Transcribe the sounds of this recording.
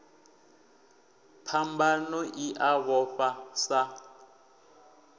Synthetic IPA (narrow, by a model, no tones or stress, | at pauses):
pʰambanɔʔiʔaβɔɸasa